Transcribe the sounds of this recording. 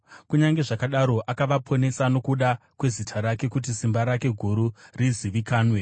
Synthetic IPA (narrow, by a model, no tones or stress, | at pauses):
kuɲaŋɡe̞ʐakaɗaɾo̞ʔakaʋapʰo̞ne̞sano̞kuɗakwe̞zitʰaɾake̞kut̬isimbaɾake̞ɡʱuɾuriziʋikaːnwe